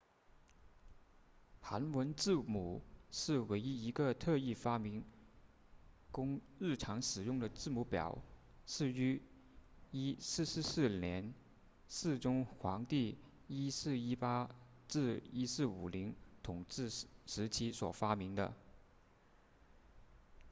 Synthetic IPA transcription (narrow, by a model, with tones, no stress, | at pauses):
xa˧˥nwə˧˥nʈ͡ʂɻ̩˥˩mu˨˩˦ʂɻ̩˥˩we˧˥ɪi˥i˧˥ɡə˧t̪ʰɤ˥˧i˥˩fa˥mi˧˥ŋ | kʊ˥ŋɻɻ̩˥˩ʈ͡ʂʰɑ˧˥ŋʂɻ̩˨˩jʊ˥˩ŋd̪ə˩t͡sɻ̩˥˩mu˧˥pjɑ̰˨˩˦ʊ | ʂɻ̩˥˩y˧˥ | i˥sɻ̩˥˧ʂ̩˥˧sɹ̩˥˩ljɛ˧˥n | sɹ̩˥˩ʈ͡ʂʊ˥ŋxwɑ˧˥ŋt̪i˥˩ | i˥sɹ̩˥˩i˥pa˥ | ʈ͡ʂɻ̩˥˩i˥sɹ̩˥˩u˨˩li˧˥ŋt̪ʰʊ˨˩ŋʈ͡ʂɻ̩˥˩ʂɻ̩˧˥t͡ɕʰi˥swɔ̰˨˩fa˥mi˧˥ŋd̪ə̰˧